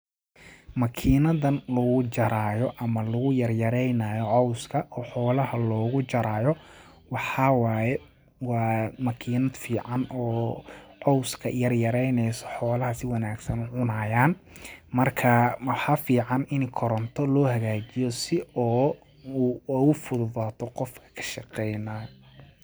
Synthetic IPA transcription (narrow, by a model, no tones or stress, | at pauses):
mɐkʰiːnɐðɐnlɐɣʊt͡ʃɐɾaːjɔʔɐmɐlʊɣʊjɐrjɐɾɛjnaːjɔʕɔwskʰɐʔɔːħɔːlɐɦɐlɔːɣʊt͡ʃɐɾaːjɔ | wɑħɑwaːjɛ | wɑːmɐkʰiːnɐd̪fiːʕɑnɔːʕɔwskʰɐjɐrjɐɾɛjnɛjsɔħɔːlɐɦɐsɪwɑnaːɡsɐnʊʕʊnaːjaːnmɐrkʰɐħɑfiːʕɑnɪnkʰɔɾɔnt̪ʰɔlɔːhɐɣaːt͡ʃɪjɔsɪʔɔː | uːʊfʊðʊðaːt̪ʰɔqɔfkʰɐ̥kʰɐ̥ʃɑqɛjnaːjɔ